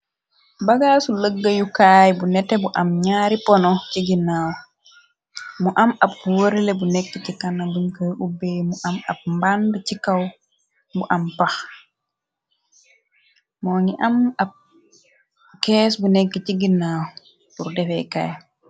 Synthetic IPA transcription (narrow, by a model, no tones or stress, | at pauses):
baɡaːsuləɡːajukajbunɛtɛbuʔamɲaːɾipɔnɔt͡ʃiɡinːaːwɔ | muʔamab̚woɾilɛbunɛkːɛt͡ʃikanːabuɲkojʔubːemuʔama̰b̚mbandat͡ʃikaw | buʔampax | mɔːŋiʔamab̚ | kɛːsbunɛkːɛt͡ʃiɡinːawɔ | uɾdɛfɛjka̰ːj